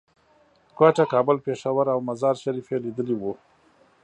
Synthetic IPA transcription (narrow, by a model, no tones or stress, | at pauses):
kwaʈakɑbəlpeʂawaɾawmazɑɾʃaɾifelid̪əliwu